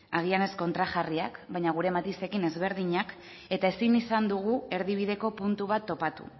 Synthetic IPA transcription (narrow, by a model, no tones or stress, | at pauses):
aɣiane̞sko̞nt̪ɾaʝariakbajɲaɣ̞uɾe̞mat̪ise̞kine̞zβe̞ɾð̞iɲak | e̞t̪ae̞sinisand̪uɣ̞ue̞ɾðiβ̞ið̞e̞ko̞punt̪uβ̞at̪ːo̞pat̪ṵ